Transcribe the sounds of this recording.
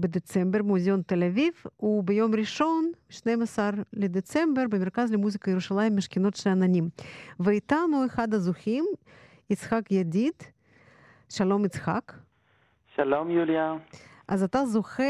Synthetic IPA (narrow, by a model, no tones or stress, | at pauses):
bed̪et͡sembeɾmuzʲejont̪elavivubejo̞mɾiʃo̞nbʃnejmasaɾled̪et͡se̞mbeɾbemeɾkazlemuzikajeɾuʃalaimːeʃkeno̞t̪ʃeananʲimveit̪anuexad̪azuxim | it͡sχakjad̪ʲid̪̥ | ʃalo̞mit͡sxa̰k | ʃalomjuljaʔazat̪azoχe